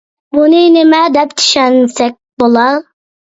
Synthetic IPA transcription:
bunɨnɪmɛd̪ɛpt͡ʃ̪ʰy̥ʃɛnsɛk̚ʲbolˠɑl

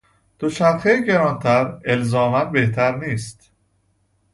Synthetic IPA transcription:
d̪̥oʃæɾxejɟeɾɒːnt̪ʰæɾelzɒːmænbeht̪ʰæɾniːst̪

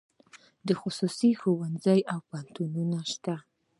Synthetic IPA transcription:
d̪əxʊsusixowanzajawpant̪ununaʃt̪a

